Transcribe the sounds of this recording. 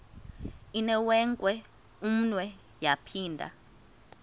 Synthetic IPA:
inɛwɛŋkʼwɛ | um̩nwɛ | japʰiːndʱa̰

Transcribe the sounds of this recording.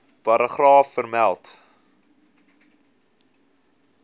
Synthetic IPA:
pɐɾəχrɑːfːərmælˠt

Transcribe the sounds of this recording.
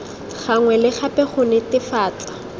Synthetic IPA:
χaŋwɛlɪχapɛχʊnɪtɪfaːt͡ɬḁ

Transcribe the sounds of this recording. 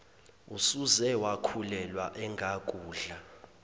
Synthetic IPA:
usuzɛwakʰulɛlwaʔɛŋɡʱakʼuːɮa

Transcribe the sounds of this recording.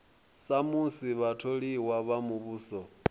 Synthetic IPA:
samusiβatʰoɺiwaβamuβuːsɔ

